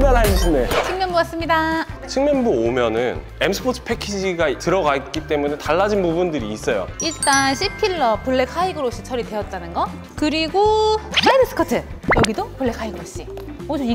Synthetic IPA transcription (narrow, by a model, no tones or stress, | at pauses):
manɦanɕʰinet͡ɕʰiŋmjʌnbuas͈ɯmɲidat͡ɕʰiŋmjʌnbuomjʌnɯn | emsʰɯ̥pʰotʰɯ̥pʰe̞kʰid͡ʑiɡatɯɾʌɡat̚k͈it͈e̞mune̞taɭːad͡ʑinbubundɯɾiːs͈ʌjo̰iɭt͈anɕʰipʰiɭːʌpuɭːe̞kʰaiɡɯɾoɕ͈i̥t͡ɕʰʌɾidwe̞ʌt̚t͈anɯnɡʌ | kɯɾiɡomaidɯs͈ʰɯ̥kʰʌtʰɯ | jʌɡidopuɭːe̞kʰaiɡɯɾoɕ͈i | od͡ʑoi